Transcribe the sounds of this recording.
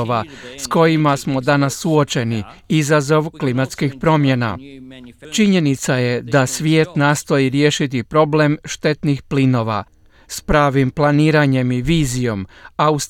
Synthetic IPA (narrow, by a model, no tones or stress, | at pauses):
oʋasko̞jimasmo̞d̪anasːuo̞t͡ʃe̞ni | izazo̞ʋklimat̪skixpɾo̞mje̞na̰ | t͡ʃiɲe̞nit̪saje̞d̪asʋjeːt̪naːst̪o̞jiɾje̞ːʃit̪̬ipɾo̞ble̞mʃt̪e̞t̪nixplino̞ːʋa̰ | spɾaːʋimplˠaniːɾaɲe̞miʋiːzijo̞maus